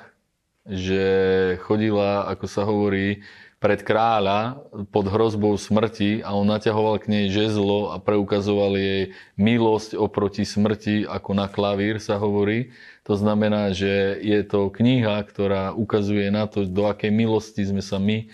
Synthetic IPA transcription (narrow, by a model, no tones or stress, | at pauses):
ʒɛxɔɟilaa̰kɔsaɦɔʋɔɾiːpɾɛt̪kɾaːlapɔd̪ɦɾɔzbɔʊsmr̩ciaɔnːacaɦɔʋalkɲɛjʒɛzlɔapɾɛukazɔʋaljɛj | milɔscɔpɾɔcismr̩cia̰kɔnaklaʋiːɾsaɦɔʋɔɾiː | t̪ɔznamɛnaːʒɛjɛt̪ɔkɲiɦakt̪ɔɾaːʔukazujɛnat̪ɔd̪ɔakɛjmilɔscizmɛsami